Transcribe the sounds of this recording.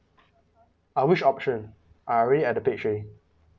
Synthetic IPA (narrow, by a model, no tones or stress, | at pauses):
awit͡ʃɔp̚ʃə̃n | ʔaɹiliɛʔ̚dəpet͡ʃɹe